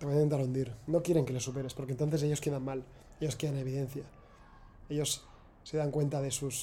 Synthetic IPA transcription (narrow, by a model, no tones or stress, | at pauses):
t̪eβait̪ent̪aɾund̪iɾno̞kje̞ɾe̞ŋkele̞supe̞ɾe̞spo̞ɾkent̪o̞nθese̞ʝoke̞ðanmal | e̞ʎo̞ske̞ðane̞β̞iðe̞nθja | e̞ʎo̞sː | e̞ðaŋkwe̞nt̪aðe̞sus